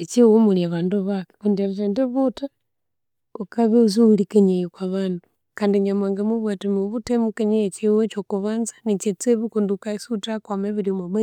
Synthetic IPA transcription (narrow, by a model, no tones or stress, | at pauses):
et͡ʃiwomuljaβaːnduβake̥kundeɾetendeβuta | ukaβeuzolikeɲejokwaβaːndu | kaːndiɲamaːŋɡamuβwatumuβutemukeɲejet͡ʃiwet͡ʃokuβaːnzanit͡ʃet͡seβukundukaisutakwameβilimoβe